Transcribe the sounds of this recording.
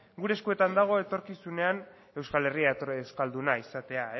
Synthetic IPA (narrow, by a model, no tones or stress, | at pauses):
ɡuɾe̞skue̞t̪and̪aɣ̞o̞e̞t̪o̞ɾkisune̞an | e̞wskale̞rieskald̪unaisat̪e̞ae